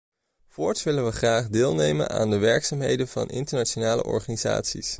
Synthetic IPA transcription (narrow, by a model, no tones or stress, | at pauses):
fʊːɹtʋɪlənʋəχraːχdɪːlˠnejmə̰nʔa̰ːndəʋɛɹksaːmɦejdənvɑ̰nɪ̰ntəɹnat͡ʃonaːlə̰ʔɔ̰ɹχaːniza̰ːtsḭs